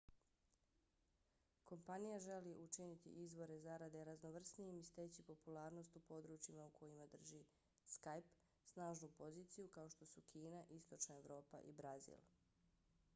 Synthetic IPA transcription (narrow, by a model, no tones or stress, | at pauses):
ko̞mpanijaʒe̞liʔut͡ʃinit̪ḭʔizʋo̞ɾe̞zaɾad̪e̞ɾazno̞ʋr̩snieimist̪eːt͡ɕipo̞pulˠaːɾno̞st̪upo̞d̪ɾuːt͡ʃimaukʰo̞jimad̪r̩ʒi | skajp | snaːʒnupo̞ziːt̪sijukao̞ʃt̪o̞sukʰiːnaʔist̪o̞t͡ʃnaeʋɾo̞ːpa̰ʔḭbɾazḭlˠ